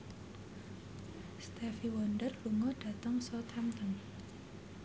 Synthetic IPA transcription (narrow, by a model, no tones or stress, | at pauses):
st̪ɛfiwɔndərb̥uŋɔɖ̥ä̤t̪əŋsɔt̪ʰamt̪ən